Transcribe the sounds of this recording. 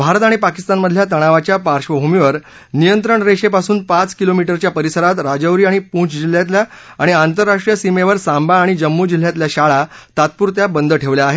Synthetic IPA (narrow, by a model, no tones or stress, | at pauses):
bʱaɾət̪aɽ̃ipakist̪anməd̪ʱːjat̪əɽ̃aʋat͡ɕjapaɾɕʋəbʱumiʋəɾ | nijənt̪ɾəɳɾeɕepasuːnpat͡skilomiʈəɾt͡ɕjapəɾisəɾat̪ɾad͡ʑəʋɾiːaɽ̃ipũt͡sd͡ʑil̤ːjat̪lja | aɽ̃iant̪əɾːaʂʈɾijəsimeʋəɾsambaːɽ̃id͡ʑəmːud͡ʑil̤ːjat̪ljaɕaɭa | t̪at̪̚puːɾt̪jabənd̪əʈʰeʋljaːɦe